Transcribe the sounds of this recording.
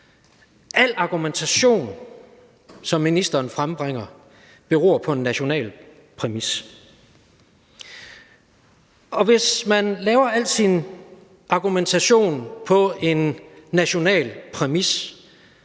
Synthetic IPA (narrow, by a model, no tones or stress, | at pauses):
ʔæl̰ɑ̈ɡ̥ument͡sʰæɕo̝̰ːn | sɒ̽mːinisd̥ɐːnfʁamb̥ʁeŋ̰ɐ | b̥e̝ʁo̰ːɐpʰɒ̽e̝nːæɕo̝nɛ̰ːl | pʰʁɛmis | ɒ̽ʋe̝smænlɛːʊɐæl̰d̥sin | ʔɑ̈ɡ̥ument͡sʰæɕo̝̰ːnpʰɒ̽e̝nːæɕo̝nɛ̰ːlpʰʁɛmis